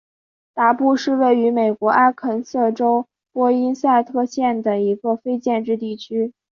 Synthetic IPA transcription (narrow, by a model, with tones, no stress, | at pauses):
t̪a˧˥pu˥˧ʂɻ̩˥˧we˥˩ɪy˧˥me˨˩ɪkwɔ˧˥ʔa˥kʰə˧˥nsɤ˥˩ʈ͡ʂo˥ʊ | pwɔ˥i˥nsa˥˧ɪt̪ʰɤ˥˧ɕjɛ˥˩nd̪ə˩i˧˥ɡə˧fe˥ɪt͡ɕjɛ˥˧nʈ͡ʂɻ̩˥˧t̪i˥˩t͡ɕʰy˥